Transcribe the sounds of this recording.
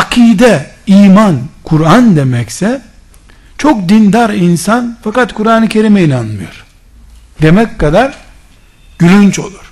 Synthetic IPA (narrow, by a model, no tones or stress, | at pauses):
akʰiːd̪ɛ | iːmankʰuɾand̪e̞mɛcsɛ | t͡ʃʰo̞k̚d̪ind̪aɾinsanfakat̪kʰuɾaːnɯcʰe̞ɾimeinanmɯjo̞̰ɾ̥ | d̪̥e̞mɛckːad̪aɾ | ɟ̥ylʲynt͡ʃo̞̰lˠuɾ̥